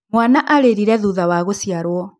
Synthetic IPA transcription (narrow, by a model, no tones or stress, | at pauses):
mwanaʔaɾeɾiɾɛðuðawaɣosiaɾwɔ